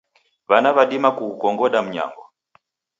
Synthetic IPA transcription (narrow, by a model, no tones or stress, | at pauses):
βanaβaɗimakuːkɔŋɡɔɗam̩ɲa̰ŋɡɔ